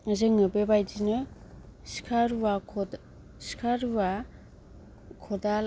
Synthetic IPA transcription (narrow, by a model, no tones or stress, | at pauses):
zɯŋɯbebajdinɯ | si̥kʰaɾwa | si̥kʰaɾwa | kʰɔdal